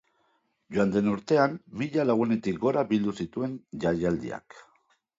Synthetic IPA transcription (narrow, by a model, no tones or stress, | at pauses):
ʝoand̪e̞nuɾt̪e̞anmiʎalaɣ̞une̞t̪ikɡo̞ɾabild̪usit̪ue̞nʝajald̪ḭa̰k